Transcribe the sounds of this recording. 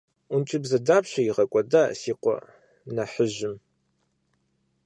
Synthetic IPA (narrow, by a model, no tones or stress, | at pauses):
ʊnt͡ʃʼɪbzɐdaːpɕɐjiʁɐkʷʼɔdaːsiːqʷɔ̰ | nɐħəʒɪm